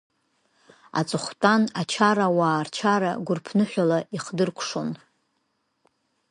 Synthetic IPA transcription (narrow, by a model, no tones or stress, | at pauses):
a̰t͡sʼɨχʷtʼanat͡ʃʰaɾawaːrt͡ʃʰaɾa̰ɡʷʊrpʰnɨħʷᶣalaiχdɨrkʷʰʂon